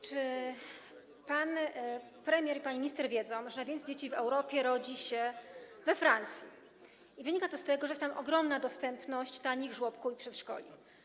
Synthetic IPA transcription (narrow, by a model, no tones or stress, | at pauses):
t͡ʂɘ | pan | pɾɛmʲjɛɾipaɲimʲiɲist̪ɛɾvʲjɛd̪zɔ̃w̃ʐɛnajvʲjɛnd̪d͡ʑet͡ɕivɛwɾɔpʲjɛɾɔd͡ʑiɕɛvɛfɾant̪sʲjḭ | ivɘɲikat̪ɔst̪ɛɡɔʐɛjɛst̪amʔɔɡɾɔmnad̪ɔst̪ɛmpnɔɕt͡ɕt̪aɲiɣʐwɔpkuipʂɛt̪ʂkɔ̰lʲḭ